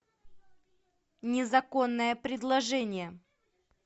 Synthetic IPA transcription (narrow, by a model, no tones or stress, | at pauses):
nʲɪzɐko̞nːəjəpɾʲɪd̪lˠɐʐɛnʲɪjə